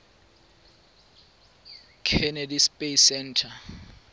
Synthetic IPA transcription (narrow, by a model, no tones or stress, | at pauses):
kʰɛnedispʼesɛntʰa